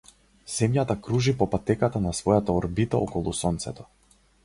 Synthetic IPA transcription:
z̥ɛmjat̪akɾuʒipɔpat̪ɛkat̪anasvɔjat̪aɔɾbit̪aɔ̰kɔlˠusɔnt̪sɛt̪ɔ̥

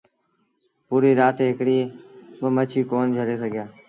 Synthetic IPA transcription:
puːɾiːɾaːt̪eːɦɪkɽiːbəmət͡ʃʰiːkoːnd͡ʒʱəɽeːsəɡʱjaː

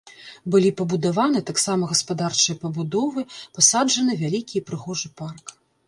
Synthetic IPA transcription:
bɨlʲipɐbud̪avanɨt̪aksamɐɣɐspad̪art͡ʂɨjɐpɐbud̪ɔvɨpasad͡ʐɐnɨvʲalʲikʲiɐpɾɨɣɔʐɨpark

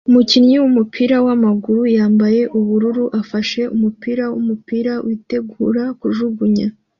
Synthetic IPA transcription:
umucinɲiwumupʰiːɾawamaɡuɾujaːmbaje̞ʔuβuɾuɾuʔafaʃe̞ʔumupiːɾawṵmupiɾawʔite̞ɡuɾakuʒuɡuɲa

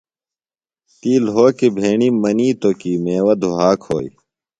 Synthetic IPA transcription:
t̪iːlɦoːkebʱeːɳiːmɐniːt̪oːkiːmeːwɐd̪ʱuɦaːkho̰ːḭ

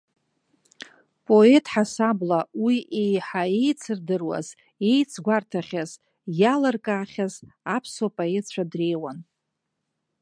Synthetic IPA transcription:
pʼo̞e̞tʼħasablawiejħae̞jt͡sʰɨrdɨrwa̰z | e̞jt͡sʰɡʷartʰaχʲaz | jalarkʼaːχʲaz | apʰswapʼaet͡ɕʷʰadre̞jwan

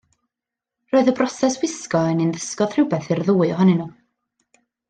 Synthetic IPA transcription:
roːɨðəbrɔsɛswɪskɔəninðəskɔðr̥ɪwbɛθɪrðuːɨɔɦɔnɨnu

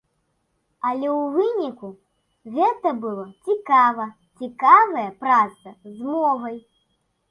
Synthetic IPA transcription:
ɐlʲɛwvɨnʲiku | ɣɛt̪ɐbɨlˠɔt͡sʲikavɐ | t͡sʲikavɐjɐpɾaɐzmɔɣɐj

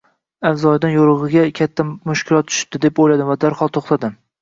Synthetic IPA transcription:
avzɒjd̪anjoɾɨʁɨɡʲakʲʰat̪ʰːamʊʃkʲʰɪlɒt̪̚t͡ʃ̪ʰʊ̥ʃd̪ɪd̪epojlad̪ɪmvad̪aɾχɒlˠt̪ʰoχt̪ʰad̪ɪm

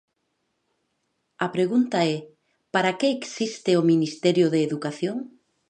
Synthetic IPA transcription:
ɐpɾeɣunt̪aɛ | paɾakeːksist̪ɪominist̪ɛɾjʊðeːðukaθjoŋ

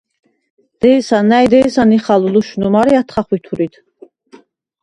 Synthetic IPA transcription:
d̪̥ɛisanajd̪ɛjsaniχaluluʃnumaɾiat̪ʰχaχwit̪ʰuɾit̪ʰ

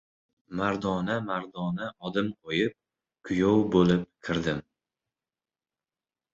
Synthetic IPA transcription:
maɾd̪ɒnamaɾd̪ɒnaɒd̪ɪmqʰojɪp̚ | kʰʊjowbolɪp̚kʲʰɪɾd̪ɪm

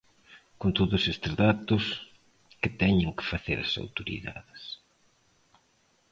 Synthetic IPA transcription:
kont̪oðʊsest̪ɪzðat̪ʊs | kɪt̪ɛɲɪŋkɪ̥faθḛɾɐ̰sa̰wt̪oɾḭða̰ðɪs

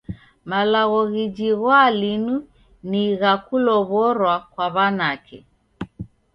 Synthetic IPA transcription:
malaɣɔɣid͡ʒiɣwalinu | niɣakulɔβɔɾwakwaβanakɛ̰

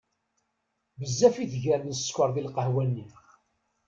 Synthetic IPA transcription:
bəzːæfiθʝæɾməsskʷəɾˤðilqəhwænːi

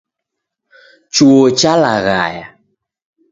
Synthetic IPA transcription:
t͡ʃuot͡ʃalaɣa̰ja

